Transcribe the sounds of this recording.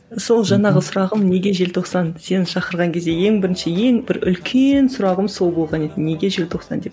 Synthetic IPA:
so̞lˠʒɑɴɑʁəsʊɾɑʁəmne̞ɡʲe̞ʒe̞lt̪ʰoqsɑnse̞nɪnʃɑqəɾʁɑŋkʲʰe̞zd̪e̞je̞ŋbɪɾɪnʃɪje̞ŋbɪɾʏ̰lkʲʰensʊɾɑʁəmso̞lˠbo̞lˠʁɑne̞t̪ɪnːe̞ɡʲe̞ʒe̞lt̪ʰo̞qsɑ̰nd̪e̞p

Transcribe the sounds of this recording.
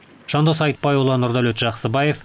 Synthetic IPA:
ʒ̥ɑnd̪əsɑjt̪̚pɑjolˠɑnʊɾd̪ɑlɵt̪ʒɑqsəbɑjef

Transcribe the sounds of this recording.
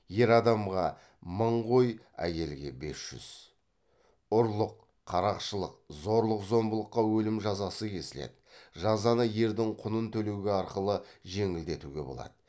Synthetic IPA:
je̞ɾɑd̪ɑmʁɑ | məɴʁo̞j | æ̰je̞lɡʲe̞̰be̞sʒ̥ʏ̰z̥ | ʊɾlˠəqʰː | ɑɾɑqʃəlˠəq̚zo̞ɾlˠəqzo̞mbəlˠəqːɑwɵlɪmʒɑzɑsəkʲʰe̞sɪle̞̰d̪ɪʒɑzɑnəje̞ɾd̪ɪŋqʰʊnənt̪ʰɵle̞wɡʲeɑɾqəlˠəʒe̞ŋɪld̪e̞t̪uɡʲe̞bo̞̰lˠɑ̰d̪̥ə

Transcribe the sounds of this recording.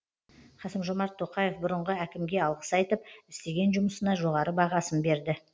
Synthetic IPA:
χɑsəmʒomɑɾt̪ʰːo̞qɑje̞fbʊɾəɴʁəækʲɪmɡʲe̞ɑlˠʁə̥sɑjt̪əp̚ɪst̪e̞ɡʲe̞nʒʊməsənɑʒo̞ʁɑɾəbɑʁɑsənbe̞ɾd̪ɪ

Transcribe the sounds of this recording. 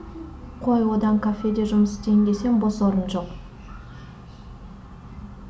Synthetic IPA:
qʰo̞jwod̪ɑmkʰafʲːe̞d̪e̞ʒʊməst̪ejnd̪e̞se̞ŋbosoɾənʒo̞q

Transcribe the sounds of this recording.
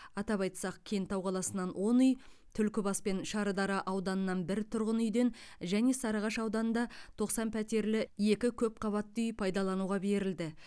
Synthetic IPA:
ɑt̪ɑpɑjt̪sɑq̚kʲʰe̞jnt̪ɑwqʰɑlˠɑsənːɑnwʔo̞nʏj | t̪ʰʏlkʲɪbɑspe̞nʃɑɾəd̪ɑɾɑʔɑwd̪ɑnənːɑnbɪɾt̪ʰʊɾʁənʏjd̪e̞n | ʒæne̞sɑɾɑʁɑʃɑwd̪ɑnənd̪ɑt̪ʰo̞qsɑnpʰæt̪e̞ɾlɪje̞kʲɪkʲʰɵp̚qʰɑβɑt̪ːʏjpʰɑjd̪ɑlˠɑnuʁɑbe̞ɾɪld̪ɪ

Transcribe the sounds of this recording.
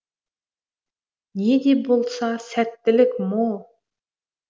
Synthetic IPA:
ne̞d̪e̞bolˠsɑsæt̪ːɪlɪkʲmolˠ

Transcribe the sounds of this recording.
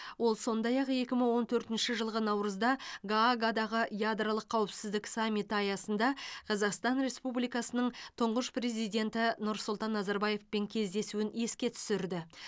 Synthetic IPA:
wo̞lˠso̞nd̪ɑjɑqe̞kʲɪməɴwo̞nt̪ʰɵɾt̪ɪnʃɪʒəlˠʁənɑwɾəzd̪ɑɡaɡad̪ɑʁəjad̪ɾalˠəqʰːɑwɪpsɪzd̪ɪksamʲːijt̪ɑjɑsənd̪ɑqʰɑzɑqst̪ɑnɾe̞spublijkɑsənəɴt̪ʰʊɴʁəʃpre̞zijd̪ʲe̞nt̪ɪnʊɾsʊlˠt̪ɑnːɑzɑɾbɑje̞fpe̞ŋkʲʰe̞zd̪e̞suɪne̞skʲe̞t̪ʰʏ̥sɪɾd̪ɪ

